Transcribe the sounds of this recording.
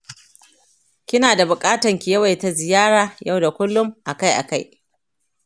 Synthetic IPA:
kʲɪ˦naː˨da˨bʊ˨kʼaː˦tɐ˨ŋkʲɪ˨jɐ˦wa˨jta˨zɪ˨jaː˦ɽaː˨ja˦˨wda˨kʷʊ˦lːʊ˦mʔa˨ka˦jʔa̰˨ka˦j

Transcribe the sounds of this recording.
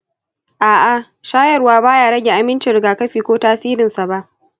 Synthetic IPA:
ʔaː˨ʔa˨ | ʃaː˦jɐ˨rwaː˦baː˦jaː˨ɽɐ˦ɡʲe˨ʔa˨mɪ˦nt͡ʃɪ˨ɾɪ˨ɡaː˨kɐ˦ɸiː˨kʷoː˦taː˦siː˦ɾɪ˨nsa˨ba˦ʔ

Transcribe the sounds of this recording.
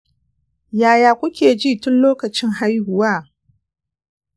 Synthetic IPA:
jaː˨jaː˨kʷʊ˦kʲeː˨d͡ʒiː˦tʊ˦nloː˦kɐ˨t͡ʃɪ˦ŋɦa˦jhʊ˨waː˦˨

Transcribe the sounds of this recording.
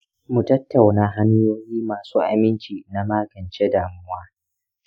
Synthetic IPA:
mu˨tɐ˦tːa˨wnaː˦ɦa˦nʊ˦joː˦jiː˦maː˨suː˦ʔa̰˨mɪ˦nt͡ʃiː˨na˦maː˦ɡɐ˨nt͡ʃe˦daː˨mʊ˦waː˦

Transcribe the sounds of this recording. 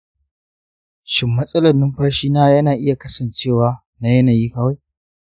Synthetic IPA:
ʃɪ˦mːɐ˦sʼɐ˦lɐ˨nɪ˦mɸaː˦ʃiː˦naː˦jɐ˦naː˨ʔɪ˦ja˨kɐ˦sɐ˨nt͡ʃeː˦˨waː˨ | na˨jɐ˦naː˨jiː˦kɐː˦wa˦j

